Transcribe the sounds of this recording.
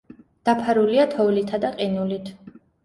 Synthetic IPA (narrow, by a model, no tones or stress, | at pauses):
d̪̥apʰaɾuliat̪ʰɔvlit̪ʰad̪aqʼinulit̪ʰ